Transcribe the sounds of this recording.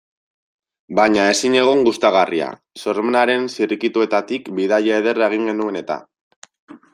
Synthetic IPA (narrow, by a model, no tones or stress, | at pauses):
baɲae̞siɲe̞ɣ̞o̞ŋɡust̪aɣ̞aria̰ | so̞ɾmenaɾe̞nsiɾikit̪ue̞t̪at̪ikbiðaʎaeð̞e̞raeɣ̞iŋɡe̞nue̞ne̞t̪a̰